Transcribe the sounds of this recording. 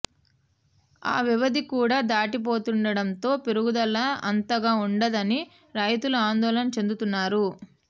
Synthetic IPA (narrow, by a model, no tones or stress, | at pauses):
a̰ːʋiʋɐd̪ikuːɽaːd̪aːʈip̬o̞ːt̪uɳɖɐɽɐnt̪o̞ːpeɾuɡud̪ɐlːɐɐnt̪ɐɡaːuɳɖɐd̪ɐni | ɾɐjt̪uluaːnd̪ɔːlɐnɐt͡ʃe̞nd̪ut̪unːaːɾu